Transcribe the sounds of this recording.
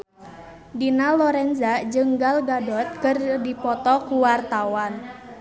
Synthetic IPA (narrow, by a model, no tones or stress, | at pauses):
dinalɔɾɛnzad͡ʒɨŋɡalɡadɔt̪̚kɨrdipɔt̪ɔkuwart̪awan